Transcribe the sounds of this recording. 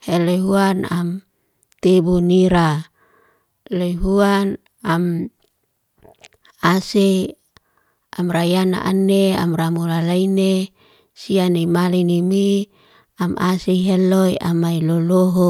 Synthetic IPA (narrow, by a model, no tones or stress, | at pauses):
helojɦuanam | t̪ebuniɾa | loiɦuan | am | ase | amrajana̰ʔanea̰mramulalaine | sianimalinimi | amʔa̰seɦelojamailoloɦo